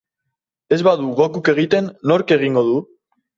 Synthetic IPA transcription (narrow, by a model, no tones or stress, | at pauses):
e̞zβaðuɣokuke̞ɣit̪e̞nːo̞ɾke̞ɣ̞iŋɡo̞ðu